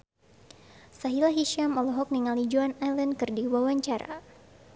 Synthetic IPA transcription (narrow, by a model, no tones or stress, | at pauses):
saɦilaɦiʃamɔlɔɦɔk̚niŋalid͡ʒuanajlɛnkɨrdiwawaɲt͡ʃaɾa̰